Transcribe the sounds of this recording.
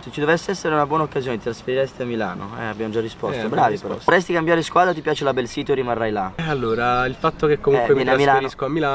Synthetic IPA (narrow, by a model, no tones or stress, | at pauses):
et͡ʃid̪ovɛsːeɛsːeɾeunabwɔnaokːazjoːned̪it̪ɾasfeɾiɾɛst̪iamːila̰ːno̰ɛ̰abjamod͡ʒarːispɔst̪obɾaːvipeɾɔ̰ɾɛst̪ikambjaːɾeskwaːd̪ɾat̪̬ipjaːt͡ʃelabɛlsiːt̪oerimarːajlaalːoːɾailfat̪ːokekːomuuɛŋwevjɛnaɾmːilaɾiskoamːila